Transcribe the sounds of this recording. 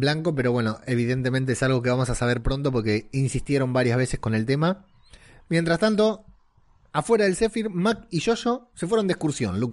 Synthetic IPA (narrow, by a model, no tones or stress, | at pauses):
blaŋko̞p̬e̞ɾo̞βwe̞no̞ʔe̞β̞iðe̞nt̪e̞ment̪eesalɣ̞o̞k̬e̞βamo̞sasaβ̞e̞ɾpɾo̞nt̪o̞p̬o̞ɾke̞insist̪je̞ɾo̞mbaɾjazβe̞sesko̞ne̞lt̪e̞ma | mje̞nt̪ɾast̪ant̪o̞ | afwe̞ɾaðelse̞fiɾmakiʃo̞ʃo̞se̞fweɾo̞nd̪ehkuɾsjo̰nlu